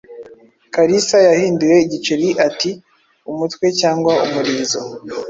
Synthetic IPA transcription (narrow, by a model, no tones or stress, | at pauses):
kaɾisajahiːnduje̞iɟit͡ʃeɾiʔati | umutwe̞caːŋɡwaumuɾiːzo